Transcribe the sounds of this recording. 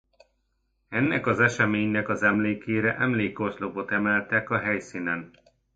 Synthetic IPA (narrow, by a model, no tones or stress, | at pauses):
ɛnːɛkɒzɛʃɛmeːɲnɛkɒzɛmleːkeːɾɛʔɛmleːko̞rt̪lo̞bo̞t̪ɛmɛlt̪ɛkɒɦɛjsinɛn